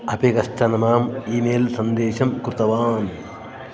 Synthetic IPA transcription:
ɐpikɐsʈʰɐnɐmaːmiːmeːlsɐnd̪eːʃɐmkɾut̪ɐʋaːn

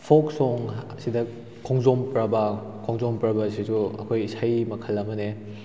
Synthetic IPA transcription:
pʰɔksɔŋsidɐ | kʰɔŋzɔmpɾɐbɐkʰɔŋzɔmpɾabɐsid͡ʒuɐ̰kʰojisajmɐkʰɐlːɐmɐne

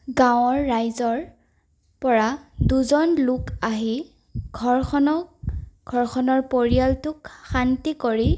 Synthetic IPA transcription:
ɡãwɔɹːajzɔɹ | pɔɹaduzɔnlʊkaɦi | ɡʱɔɹxɔnɔɡʱɔɹxʰɔnɔɹpoɹijaltʊkxantikoɹi

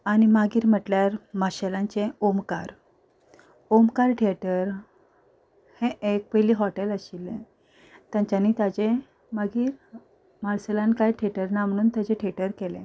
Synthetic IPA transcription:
aɽ̃imaɡiːɾm̤əʈljaɾmaɕelãnt͡ɕeomkaɾ | omkaɾʈʰeʈəɾ | hẽʔek̚pəjliːɦɔʈeləɕilẽ | t̪jãɲt͡ɕaniːt̪jat͡ɕe | maɡiːɾ | maɭsəlankajʈʰeʈəɾnam̤əɽ̃uːnt̪jat͡ɕẽʈʰeʈəɾkelḛ̃

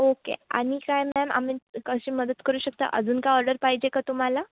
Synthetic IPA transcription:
okḛa̰ɽ̃ikajmɛma̰miːkəɕiːməd̪ət̪kəɾuːɕək̚t̪a̰ʔə̰d͡zuːnkaɔɾɖəɾpaɦid͡ʑekat̪um̤ala

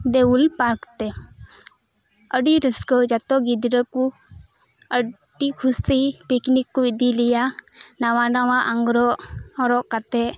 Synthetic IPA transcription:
d̪ɛulpaɾkt̪ɛ | əɖiɾəskɔd͡ʒat̪ɔɡid̪ɾəku | ə | ɖikʰusipiknikːuid̪ilijanawanawaʔaŋɡɾɔʔɔɾɔʔkat̪ɛʔ

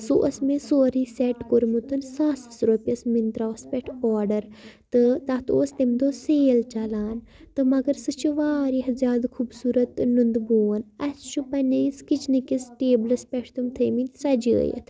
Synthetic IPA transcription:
soʔɐsmẽsoːɾiːsɛʈkoɾmut̪ɨnsaːsɨ̥sɾoːpʲɐsmint̪ɾaːspʲɛʈʰoːɾɖɐɾt̪ɨt̪aːt̪o̰ːst̪imd̪oːseːlt͡ʃɐlaːn | t̪ɨmɐɡɐɾsɨt͡ʃʰuʋaːɾiɦzʲjaːd̪kʰubsuːɾɐt̪nund̪buːɐnɐst͡ʃʰupɐnɐiskit͡ʃʰnikisʈeːblɐspʲɛʈʰt̪umt̪ʰəːminʲsɐd͡ʒiə̰jɐ̰t̪ʰ

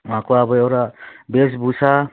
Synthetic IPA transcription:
makʰɔabɔjɔɾabes̬busa

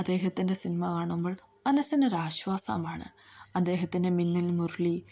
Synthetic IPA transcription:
ɐd̪ːe̞ːɦɐt̪ːinde̞sinimɐkaːɳumboːɭ | mɐnɐsɐnɐɾaːɕʋaːsa̰ːmaːɳɨ̰ɐd̪ːe̞ːɦɐt̪ːindeminːilmurɭi

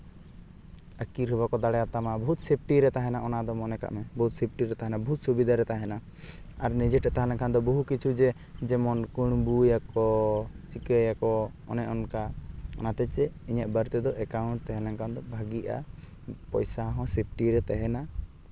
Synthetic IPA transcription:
əkiɾɦəbakɔd̪aɽɛjat̪amabɔɦut̪̚sep̚ʈiɾɛt̪aɦɛnaʔɔnad̪ɔmɔnɛka̰ʔmɛbɔɦut̪̚sep̚ʈiɾɛt̪aɦɛnabɔɦut̪̚subid̪ʱaɾɛt̪aɦɛna | aɾnid͡ʒɛʈɛt̪aɦalãŋkʰand̪ɔbɔɦukit͡ʃʰud͡ʒɛ | d͡ʒɛmɔnkuɽ̃bujakɔt͡ʃikəjakɔ | ɔ̰nɛʔɔnkaɔ̰nat̪ɛt͡ʃɛiɲaʔbəɾt̪ɛd̪ɔʔɛkawuɳʈ̚t̪ɛɦɛ̃laŋkʰand̪ɔbʱaɡiʔa̰ | pɔjsaɦɔ̃sep̚ʈiɾɛt̪ɛɦɛna

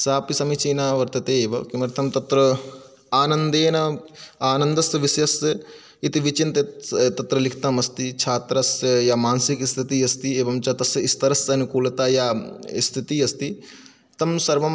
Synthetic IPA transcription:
saːpisɐmit͡ʃiːnaːʋɐɾt̪ɐt̪eːbɐkimɐɾt̪ʰɐmt̪ɐt̪ɾɐ | aːnɐnd̪eːnɐaːnɐnd̪ɐsʋɪsjɐs | it̪iʋit͡ʃint̪et̪ɐt̪ɾɐlɪkʰt̪ɐmɐst̪it͡ʃʰaːt̪ɾɐsjaːmaːnsikist̪ʰit̪iːɐst̪ieːbɐmt͡ʃɐt̪ɐsist̪ɐɾɐsɐnukuːlɐt̪aːjaːist̪ʰit̪iɐst̪i | t̪ɐmsɐɾʋɐm

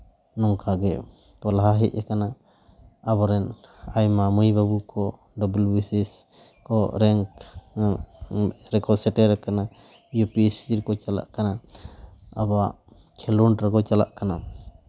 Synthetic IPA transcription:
nɔŋkʰaɡɛ | kɔlaɦaɦɛʔɛkana | abɔɾɛnajmamujbabukɔ | ɖɔbulbisis | kɔɾɛŋk | ɾɛkɔsɛʈɛɾɛkana | jupisiɾkɔt͡ʃala̰ʔkana | abaʔ | kʰɛluɳʈɾɛkɔt͡ʃala̰ʔkana

